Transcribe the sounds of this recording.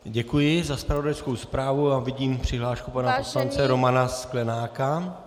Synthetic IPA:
ɟɛkujɪzaspɾavo̞dajskowspɾaːvuavɪɟiːmpr̝̥ɪɦlaːʃkupanapo̞slant͡sɛɾomanasklɛnaːka

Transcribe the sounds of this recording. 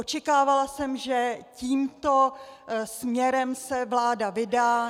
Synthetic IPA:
ʔot͡ʃɛkaːvalasɛmʒɛciːmt̪o̞smɲɛɾɛmsɛvlaːdavɪdaː

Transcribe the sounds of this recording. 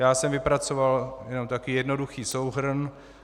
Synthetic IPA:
jaːsɛmvɪpɾat͡so̞valjɛno̞mt̪akijɛdno̞duxiːsowɦr̩n

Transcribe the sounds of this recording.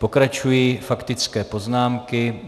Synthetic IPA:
po̞kɾat͡ʃujiːfakt̪ɪt͡skɛːpo̞znaːmkɪ

